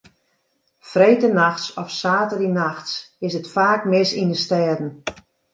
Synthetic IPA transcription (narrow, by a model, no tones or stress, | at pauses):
frejtənaxtsɔfsaːtərinaxtsɪsətfaːkmɪsinəstɛːdn̩